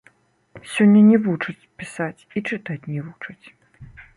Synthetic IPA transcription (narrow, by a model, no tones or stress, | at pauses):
sʲɔnʲːɐnʲɛvut͡ʂɐt͡sʲpʲisat͡sʲit͡ʂɨt̪at͡sʲnʲɛvut͡ʂɐt͡sʲ